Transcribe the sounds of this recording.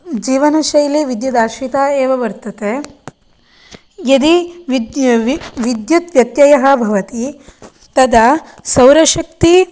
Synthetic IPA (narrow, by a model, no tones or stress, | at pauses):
d͡ʒiːʋɐnɐʃɐjliʋid̪jud̪aːʃit̪aːeːʋɐʋɐɾt̪ɐke | jɐd̪iʋi | ʋid̪jut̪ʋjɐt̪jɐjɐɦɐbʱɐʋɐt̪i | t̪ɐd̪ɐsɐwɾɐʃɐkt̪i